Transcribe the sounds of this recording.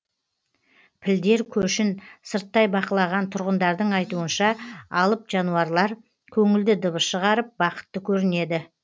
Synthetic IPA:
pʰɪld̪e̞ɾkʲʰɵʃɪnsəɾt̪ːɑjbɑqəlˠɑʁɑnt̪ʰʊɾʁənd̪ɑɾd̪əɴɑjt̪uənʃɑɑlˠəpʒɑnuɑɾlˠɑɾ | kʲʰɵŋɪld̪ɪd̪əβəsʃəʁɑɾəp̚bɑqə̥t̪ːəkʲʰɵɾɪne̞d̪ɪ

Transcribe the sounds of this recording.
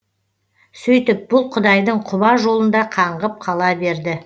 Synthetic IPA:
sɵjt̪ɪp̚bʊlˠqʰʊd̪ɑjd̪əɴqʰʊbɑʒo̞lˠənd̪ɑqʰɑɴʁəp̚qʰɑlˠɑbe̞ɾd̪ɪ

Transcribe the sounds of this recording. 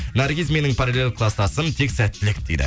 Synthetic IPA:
naɾɡʲizmijnɪŋpʰɑɾelelkʰlˠɑst̪ɑsənt̪ʰe̞ksæt̪ːɪlɪkd̪ejd̪ɪ̰

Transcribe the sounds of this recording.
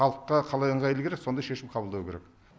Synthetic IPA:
ɑlˠəqːɑqʰɑlˠɑjəɴʁɑjlˠəkʰʲeɾekso̞nd̪ɑjʃe̞ʃɪmqʰɑbəlˠd̪ɑwəkʲʰeɾek

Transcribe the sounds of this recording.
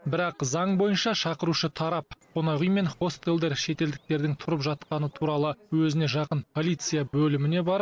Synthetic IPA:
bɪɾɑqzɑɴbo̞jənʃɑʃɑqəɾuʃət̪ʰɑɾɑp̚qʰonɑʁijme̞nχo̞st̪elˠd̪e̞ɾʃe̞t̪e̞ld̪ɪk̚t̪e̞ɾd̪ɪŋt̪ʰʊɾəpʒɑt̪qɑnət̪ʰuɾɑlˠəwɵzɪne̞ʒɑqənpʰo̞lʲˠijt̪sɨjabɵlɪmɪne̞bɑɾ

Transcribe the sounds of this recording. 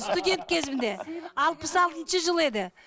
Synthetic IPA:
st̪ud̪ʲe̞nt̪̚kʲʰe̞zɪmɪnd̪e̞ɑlˠpəsɑlˠt̪ənʃəʒəlˠe̞d̪ɪ

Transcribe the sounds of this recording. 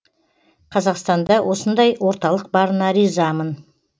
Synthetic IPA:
qʰɑzɑqst̪ɑnd̪ɑwʔo̞sənd̪ɑjwo̞ɾt̪ɑlˠəq̚bɑɾənɑɾizɑmən

